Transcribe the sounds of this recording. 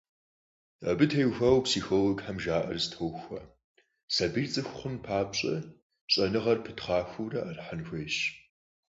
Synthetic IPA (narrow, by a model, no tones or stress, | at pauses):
ɐ̰bɨtʰejxʷɐwpsiːxolɔɡħamʒaːʔɐ̰rzɨtʰowxʷɐ | sɐbiːrt͡sʼɨxʷχʷʊnpʰaːpɕʼɐ̰ | ɕʼɐnɨʁɐrpʰɨtχɑːxʷuwrɐʔɐrħanxʷeːɕ